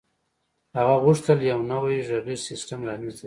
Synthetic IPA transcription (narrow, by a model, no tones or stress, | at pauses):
haɣaɣʊʂt̪əljawnawajʒaɣisɪsʈamlanizd̪a